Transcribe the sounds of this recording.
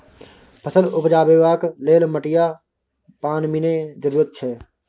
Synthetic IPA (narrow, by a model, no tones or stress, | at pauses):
pʰəsəlʊpd͡ʒaːbeʋaːkleːlməʈɪja | paːnmined͡ʒəɾuːɾət̪̚t͡ʃʰɛː